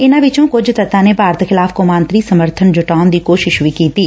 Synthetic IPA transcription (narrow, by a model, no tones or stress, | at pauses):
ɪnãːʋɪt͡ʃõːkʊd͡ʒt̪ət̪ãːneːpaːɾt̪xɪlaːfkomãːnt̪ɾiːsəməɾt̪ʰənd͡ʒʊʈaːʊnd̪iːkoːʃɪʃʋiːkiːt̪iː